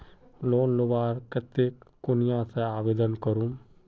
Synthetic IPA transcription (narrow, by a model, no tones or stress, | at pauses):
loːnlʊʋaːɾkət̪ːekʊnɪjãːseaːʋeːd̪ənkəɾũ